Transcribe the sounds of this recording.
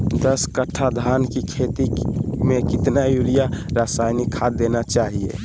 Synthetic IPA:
d̪əskəʈʰad̪ʱankikʰet̪imekit̪najuɾijaɾasajnikʰad̪enat͡ʃaɦiḛ

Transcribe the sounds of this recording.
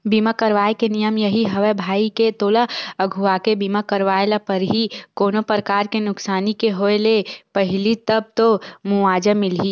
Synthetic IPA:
biːmakəɾʋaːekenijəmjəɦiɦəʋebʱaːiket̪oːlaəɡʱuakebiːmakəɾʋaːlapəɾɦikoːnopɾəkaːɾkenʊksaːnikeɦoːelepəɦɪlit̪əb̚t̪omuaːd͡ʒəmɪlɦi

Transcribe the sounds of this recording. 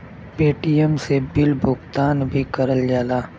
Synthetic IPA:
peːʈijəmsebɪlbʱʊɡt̪aːnbʱikɐɾəld͡ʒaːlaː

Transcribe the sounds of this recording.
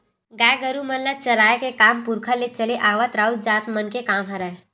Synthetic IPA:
ɡaːɡəɾumənlət͡ʃɐɾaːjakekaːmpʊɾkʰəlet͡ʃəleʔaːʋat̪ɾaːwtd͡ʒaːt̪mənkekaːmɦəɾa

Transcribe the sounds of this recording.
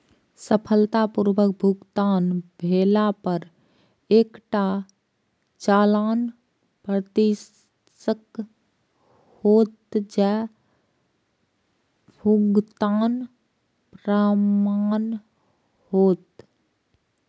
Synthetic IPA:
səpʰəlt̪apuɾʋək̚bʱuɡt̪aːnbʱeːlapəɾ | eːkʈa | t͡ʃaːlaːn | pɾət̪i | sək | hoːt̪d͡ʒɛː | bʱuɡt̪aːn | pɾəmaːn | hoːt̪

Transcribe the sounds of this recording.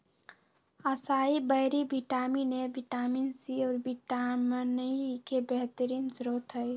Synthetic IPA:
əsaːibəɦɪɾibiʈaːminebiʈaːminsiɔːɾbiʈamnəikebeɦt̪əɾiːnsɾot̪ɦəj

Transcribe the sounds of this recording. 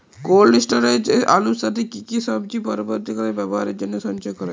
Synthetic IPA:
kolɖisʈaɾed͡ʒaluʃat̪ʰekikiʃɔb̚t͡ɕipɔɾiboɾt̪ikɔɾebɛboɦaɾeɾd͡ʑonːeʃɔnt͡ʃɔjkɔɾa

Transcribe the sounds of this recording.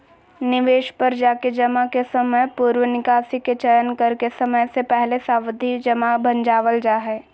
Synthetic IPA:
nɪʋeːʃpɐɾd͡ʒaːked͡ʒɐmakesɐməjpuːɾʋənɪkaːsiket͡ʃɐjənkɐɾkesɐməjsepɛɦlesaːwəd̪ʱid͡ʒɐmabɐ̃nd͡ʒaːʋəld͡ʒaːɦɛː

